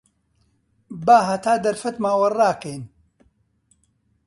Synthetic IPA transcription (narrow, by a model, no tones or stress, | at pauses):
baːɦɐt̪ʰaːd̪ɐɾfɐt̪maːwɐraːkejn